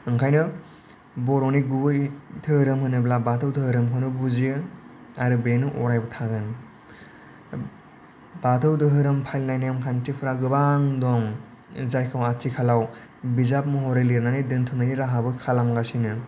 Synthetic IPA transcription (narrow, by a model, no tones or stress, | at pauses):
ɯŋkʰajnɯ | bɔɾɔniɡuɯjtʰɯhɯɾɯmhɯnɯblabatʰɯwtʰɯhɯɾɯmkʰɯnɯbuzi | aɾɯbenɯʔɔɾajbɯtʰaɡɯn | batʰɯwdɯɦɯɾɯmpʰajlnajnjamkʰantipʰɾaɡɯbaŋdɔŋ | zajkʰawatʰikʰalaw | bizap̚mɯɦɔɾeliɾnanidɯntʰunajniɾaɦabɯkʰalamɡasinɯ